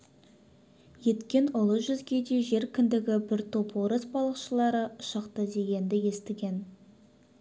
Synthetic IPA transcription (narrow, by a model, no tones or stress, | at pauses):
je̞t̪kʲe̞nʊlˠəʒʏzɡʲe̞d̪e̞ʒe̞ɾkʲʰʏnd̪ɪɡʲɪbɪɾt̪ʰo̞pwoɾəsbɑlˠəqʃəlˠɑɾəʊʃɑqt̪əd̪e̞ɡʲe̞nd̪ɪje̞st̪ɪɡʲe̞n